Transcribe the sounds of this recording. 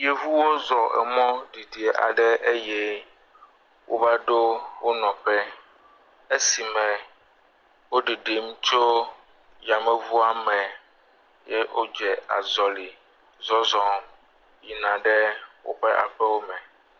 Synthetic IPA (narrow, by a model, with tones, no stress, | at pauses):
je˨vu˦wo˦zɔ˨ʔɛ̰˨mɔ̃˦ɖi˨ɖi˨e˨ʔa̰˨ɖɛ˦ʔe˦jɛ˦ | wʔo̰˦va˦ɖo˦wo˦nɔ̃˨ɸɛ˦ | e˦si˨mɛ̃˨ | wo˦ɖi˨ɖe˨mũ˦t͡ʃo˦ | ja˨mɛ̃˦vu˦a˦mɛ̃˨ | jɛ˦ʔo˦d͡ʒɛ˨a̰˨zɔ˨li˨ | zɔ˦zɔ̃˦ | ji˨nã˨ɖɛ˦wo̰˦ɸɛ˦ʔa̰˨ɸɛ˦wo˦mɛ̃˨